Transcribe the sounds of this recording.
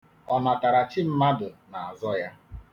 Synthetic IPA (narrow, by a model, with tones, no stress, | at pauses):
ɔ˨na˨ta˨ɾa˨t͡ʃɪ˦m̩˦ma˦dʊ˨na˨a˨zɔ˦ja˦